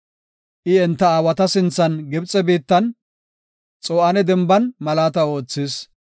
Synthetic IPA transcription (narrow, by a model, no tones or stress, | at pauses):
ʔɪɛnt̪ːɐaːwɐt̪ɐsɪnt͡sːɐnɡɛbt͡sʼːɛbiːt̪ːɐn | t͡sʼoːʔɐnɛd̪ɛmbɐnmɐlaːt̪ɐo̞ːt͡sːɪs